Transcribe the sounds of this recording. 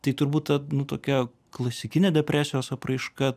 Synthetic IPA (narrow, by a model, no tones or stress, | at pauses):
t̪ɐɪt̪ʊɾbuːt̪̚t̪ɐnʊt̪oːkʲɛ | klˠɐsʲɪkʲɪnʲɛːd̪ʲɛpʲɾʲæːsʲɪjoːsɐpɾɐɪʃkɐ